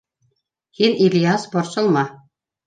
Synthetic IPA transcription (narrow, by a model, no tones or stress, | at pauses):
hinilʲjasboɾsɤ̆lˠmɑ